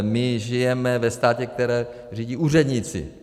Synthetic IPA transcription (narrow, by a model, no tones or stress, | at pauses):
mɪʒɪjɛmɛvɛst̪aːcɛk̚t̪ɛɾɛː | riːɟiʔuːrɛd̪ɲɪt͡sɪ̰